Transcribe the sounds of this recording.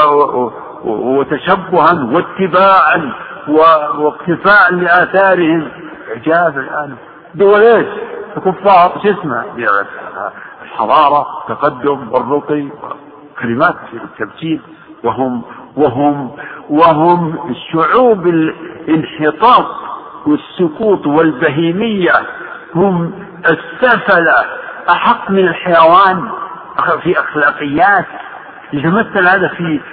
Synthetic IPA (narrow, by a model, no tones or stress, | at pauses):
ɪt̪aʃabːʊhanwɪt̪ːɪbaːʕanwɪwɪqt̪ɪfaːʕlɪʔaːθaːɾɪhɪm | ɪʕd͡ʒaːbɪlʔaːn | d̪ʊwaleːʃfɪkʊfːɑːɾˤʃɪsmaʕli | lħɑðˤɑːɾˤɑwɪt̪ːaqɑd̪ːʊmwɪrːʊt̪ˤiwɪ̰ | kalɪmaːt̪ɪt̪ːabt̪iːl | wɪɦʊmwɪɦʊmwɪɦʊmɪʃːʊʕuːbɪlɪnħɪt̪ˤɑːt̪̚ˤ | wɪsːʊkuːt̪ˤwɪlbaɦiːmɪjːa | hʊm | ɪsːafalaʔaħɑqːmɪnalħajawaːn | ʔfiʔaxlaːqɪjːaːt̪ | jɪt̪amaθːalhaːd̪afi